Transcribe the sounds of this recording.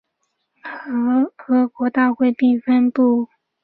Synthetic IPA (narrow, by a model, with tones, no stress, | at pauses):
xɤ˧˥xɤ˧˥kwɔ˧˥t̪a˥˧xwe˥˧ɪpi˥˩nfə˥npu˥˩